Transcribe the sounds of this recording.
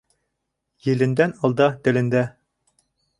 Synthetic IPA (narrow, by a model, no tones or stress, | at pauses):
jɘ̆lɘ̆nd̪ænɒlˠd̪ɑt̪ɘ̆lɘ̆nd̪æ